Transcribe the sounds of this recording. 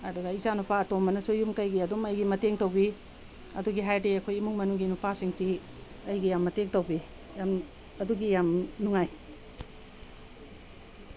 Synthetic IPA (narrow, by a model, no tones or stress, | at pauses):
ɐduɡaizanupaɐtomːɐnɐsujumkɐjɡiɐdomɐjɡimɐteŋtowbi | ɐduɡiɦajdeɐkʰojimuŋmɐnuɡinupasiŋtʰi | ɐjɡijamːɐteŋtowbi | jam | ɐduɡijamnuŋaj